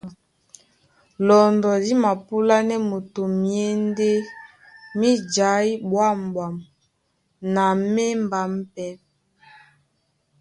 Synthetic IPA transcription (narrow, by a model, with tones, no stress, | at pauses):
lɔ˨ndɔ˨di˦ma˨pu˦la˦nɛ˦mo˨to˨mje˦n˦de˦ | mi˦d͡ʒa˨˦i˦bwa˦˨m˨bwa˨m | na˨me˦mba˨m̩˦pɛ˦